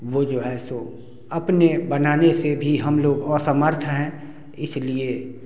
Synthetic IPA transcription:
ʋod͡ʒoːɦɛso | ɐpnebənaːnesebʱiɦəmloːɡɔːɾsəməɾt̪ʰɦɛ̃ː | ɪslie

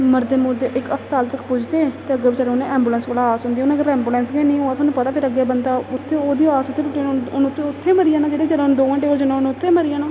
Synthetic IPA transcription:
məɾd̪eːmʊɾd̪eːʔɪkəst̪aːlt̪əkpʊd͡ʒd̪eːt̪eːəɡbiːt͡ʃəɽʊnẽːɛ̃ːmbuːlɛ̃ːnskoːlaaːsɦʊ̃nd̪iːʊnãːkəɾɛːmbuːlɛ̃ːnsɡɛnĩːoːãːt̪ʰːnũːpət̪aːpʰɪɾəɡeːbənd̪aːʊt̪ʰːeːoːd̪iːaːsʊt̪ʰːeːʈʊʈːenʊnʊt̪ʰːeːʊt̪ʰːeːməɾijãːnaːd͡ʒeːɽeːid͡ʒeɽãʊnd̪oːãːʈeːoːd͡ʒənãʊnʊt̪ʰːeːməɾijãːnaː

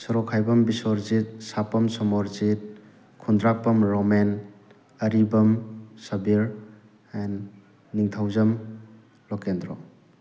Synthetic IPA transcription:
sɔɾɔkʰːajbɐmbisoɾzit̚sapɐmsɔmɔɾzit̚ | kʰundɾapɐmɾɔmen | ɐɾibɐmsɐbiɾ | ɛnː | iŋtʰawzɐm | lɔkendɾɔ

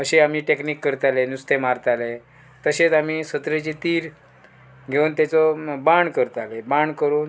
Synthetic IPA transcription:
əɕeam̤iːʈekniːkːəɾt̪alenust̪ʰemaɾt̪ale | t̪əɕet͡sam̤iːsət̪ɾet͡ɕet̪iːɾ | ɡʱeuːnt̪jɛt͡sɔbaɳɖkəɾt̪alɛbaɳkəɾuːn

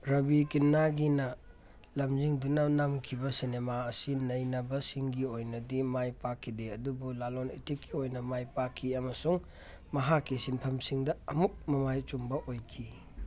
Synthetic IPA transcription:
ɾɐbikinːaɡinɐ | lɐmziŋdunɐnamkʰibɐsinemaɐsinɐjnɐbɐsiŋɡiojnɐdimajpakʰːideɐdubulalonitikːiojnɐmajpakʰːiɐmɐsuŋ | mɐɦakːisinpʰɐmsiŋdɐɐmuk̚mɐmajt͡ʃumbɐʔojkʰi

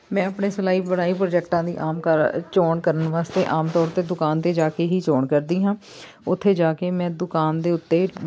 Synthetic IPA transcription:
mɛ̃ːəpɳeːsʊlaːiːbəɽaːiːpɾoːd͡ʒɛːkʈãːd̪ḭːʔaːmkəɾt͡ʃoːɳkəɾənʋaːst̪eːʔaːmt̪ɔːɾt̪eːd̪ʊkaːnt̪eːd͡ʒaːkeːɦiːt͡ʃoːɳkəɾd̪iːɦãː | ʊt̪ʰːeːd͡ʒaːkeːmɛ̃ːd̪ʊkaːnd̪eːʊt̪ːeː

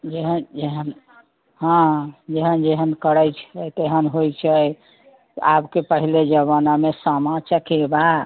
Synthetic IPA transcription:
d͡ʒeɦənd͡ʒeɦən | ɦãd͡ʒeɦənd͡ʒeɦənkəɽəjt͡ʃʰət̪eɦənɦojt͡ʃʰəj | abkepəɦiled͡ʒəβənamesəmãt͡ʃəkeba

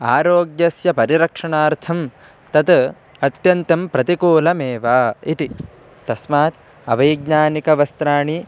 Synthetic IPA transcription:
a̰ːɾoːɡjɐsjɐpɐɾiɾɐkʂɐɳaːɾt̪ʰɐm | t̪ɐt̪ | ɐt̪jɐnt̪ɐmpɾɐt̪ikoːlɐmeːʋaːit̪i | t̪ɐsmaːt̪̚ | ɐ̰ʋɐjɡɲaːnikɐʋɐst̪ɾaːɳi

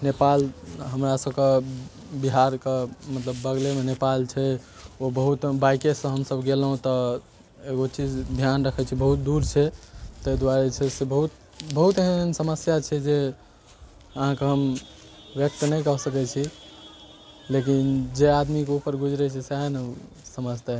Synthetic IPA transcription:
nepalɦəmɾasəbke | biɦaɾkemət̪ləbːəɡlemenepalt͡ʃʰɛ | obəɦut̪bajkesə̃ɦəmsəbɡelɦũt̪ɔ | eɡot͡ʃid͡ʒd̪ʱjanɾəkʰɛt͡ʃʰibəɦut̪̚d̪uɾt͡ʃʰɛt̪əjd̪waɾet͡ʃʰesebəɦut̪̚ | bəɦut̪eɦənsəməsjat͡ʃʰɛd͡ʒe | əɦãkeɦəm | ʋjək̚t̪nəjkəɦsəkɛt͡ʃʰi | lekind͡ʒead̪mikeupəɾɡʱud͡ʒɾɛt͡ʃʰɛseenə | səməd͡ʒt̪a

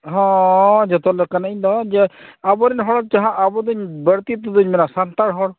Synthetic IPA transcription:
ɦɔ̃d͡ʒɔt̪ɔlɛkanaid̪ɔd͡ʒɛabɔɾɛnɦɔɽɔd͡ʒaɦãʔabɔd̪uɲbəɽt̪it̪ɔd̪uɲmɛnasant̪aɽɦɔɽ

